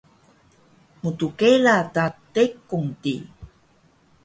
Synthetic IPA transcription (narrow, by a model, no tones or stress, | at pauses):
mutukelatatekuŋtḭ